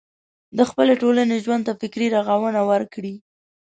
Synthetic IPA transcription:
d̪əxpəleʈolaneʒwand̪t̪afɪkɾiɾaɣawənawəɾkɽi

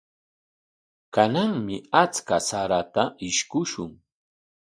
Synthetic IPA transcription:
kanaŋmɪat͡skasaɾat̪aʔɪʃkʊʃʊŋ

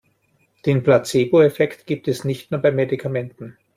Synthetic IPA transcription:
d̥eːnplat͡seːboɛfɛktɡ̥iːp̚tɛsnɪçtnuːɐbaɪmedikʰamɛntn̩

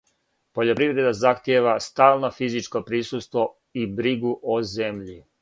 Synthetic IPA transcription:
po̞ʎo̞pɾiʋɾe̞d̪azaxt̪je̞ʋast̪aːlˠno̞fizit͡ʃko̞pɾisust̪ʋo̞ | ibɾiɡuʔoze̞mʎi

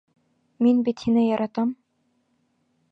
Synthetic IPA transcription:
minbit̪hinɘjɑɾɑt̪ɑm

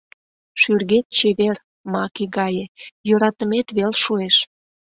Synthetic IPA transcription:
ʃyrɣet̪̚t͡ɕeβer | mɑkiɡɑjejøɾɑt̪əmet̪βelʃueʃ

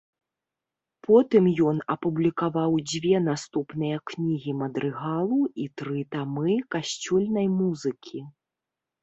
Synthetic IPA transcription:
pʰɔt̪ɨmjɔnɐpublʲikavawd͡zʲvʲɛnast̪upnɨjɐknʲiɣʲimɐd̪ɾʔɨɣalˠuit̪ɾɨt̪amɨkaɕʲt͡sʲulʲnɐjmuzɨkʲʰi

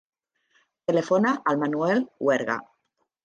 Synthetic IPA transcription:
t̪elefonaʔalmanuelweɾɣa̰

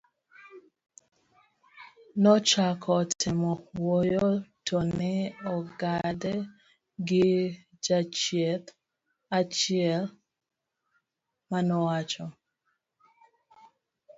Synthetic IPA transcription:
nɔt͡ʃakʰɔtʰɪmɔwɔjɔtʰɔnnɛɔɡadɛ | ɡɪ | d͡ʒat͡ʃjɛt | at͡ʃiɛl | manɔwat͡ʃɔ

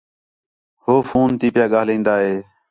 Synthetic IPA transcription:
hoːfuːnt̪iːpɪjaːɠaːlĩːnd̪aːɦeː

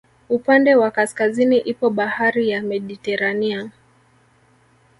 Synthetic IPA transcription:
upandɛwakaskaziniʔipɔɓahaɾijamɛɗitɛɾania

